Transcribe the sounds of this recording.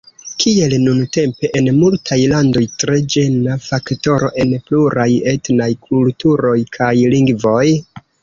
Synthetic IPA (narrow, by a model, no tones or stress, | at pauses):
kʰie̞lnunte̞mpe̞ʔenmultʰajlando̞jtɾe̞d͡ʒe̞nafakto̞ɾo̞̰ʔe̞npluɾaje̞tnajkʰultuɾo̞jkʰajliŋɡvo̞j